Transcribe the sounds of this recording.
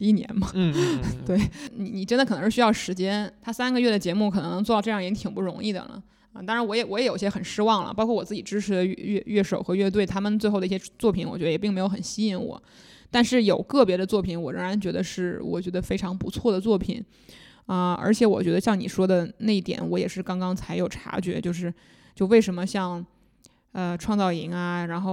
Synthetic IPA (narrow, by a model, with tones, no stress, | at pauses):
i˥˩njɛ̰˧˥nmɐ˧t̪we˥˩ɪni˨˧˥ni˨˩ʈ͡ʂə˥nd̪ə˨kʰn˧˥ʂɻɕjɑ˥˩ʊʂɻ̩˧˥t͡ɕjɛ˥nt̪ʰa˥sa˥nɡə˧ɥɛ˥˩d̪ə˩t͡ɕjɛ˧˥mu˧˩kʰɤ˨˩nɤ˧˥ŋnɤ˧˥ŋt͡sɔ˥˧˥ʈ͡ʂɤ˥˧jɑ˥˩ŋ˧˩t͡ɕi˥t̪ʰi˨˩ŋpu˥˩ɻʊ˧˥ŋi˥˩d̪ə̰˨˩lə̰˩ | ə˧˩t̪ɑ˥ŋɻa˧˥wɔ˧˥jɛ˨˧˩wɔ˧˥jɛ˨˧˥jo˨˩ʊi˥ɕjɛ˥xə˨˩nʂɻ̩˥wɑ˥˩ŋlə̰˩pɑ˥ʊkʰɔ˥˩wɔ˨˩t͡sɹ̩˥˩t͡ɕi˨˩ʈ͡ʂɻ̩˥ʈ͡ʂʰɻ̩˧˥d̪ə˧ɥɥɛ˥˧ɥɛ˥˩ʂo˨˩ʊxɤ˧˥ɥɛ˥˧t̪we˥˩ɪt̪ʰa˥mə˨nt͡swe˥˧xo˥˩d̪ə˧i˥˩ɕʲjt͡swɔ˥˩pʰi˧˥nwɔ˨˩t͡ɕɥɛ˧˥d̪ɛ˨p̬i˥˩me˥jo˧˥ʊxə˨˩nɕi˥i˧˥˩nwɔ̰˨˩˦ | t̪a˥˧nʂɻ̩˥˩jo˨˩ʊkɤ˥˩pjɛ˧˥d̪ə˧t͡swɔ˥˩pʰi˨˩nwɔ˨˩ɻɤ˥ŋɻa˧˥nt͡ɕɥɛ˧˥d̪ə˧ʂɻ̩˥˩wɔ̰˨˩t͡ɕɥɛ˧˥d̪ə˧fe˥ɪʈ͡ʂʰɑ˧˥ŋpu˧˥t͡sʰwɔ˥˩d̪ə˩t͡swɔ˥˩pʰḭ˨˩˦n | ə˧ə̰˞˧˥t͡ɕʰjɛ˧˥wɔ˨˩t͡ɕɥɛ˧˥d̪ə˧ɕjɑ˥˩ŋnḭ˨˩ʂwɔ˥d̪ə˨na˥˧i˥˩t̪jɛ̰˧˩˥nwɔ˧˥jɛ˨˩ʂɻ̩˥˩kɑ˥ŋkɑ˥ŋt͡sʰa˧˥ɪjo˨˩ʊʈ͡ʂʰa̰˧˥t͡ɕɥɛ̰˧˥t͡ɕjo˥˧ʊʂɻ̩˥˧ | t͡ɕjo˥˧ʊwe˥˩ɪʂə˧˥nmə˧ɕjɑ˥˧ŋ | ə˧ʈ͡ʂʰwɑ˥˧ŋt͡sɑ˥˩ʊi˧˥ŋɐ˧ɻa˧˥nxo˥˩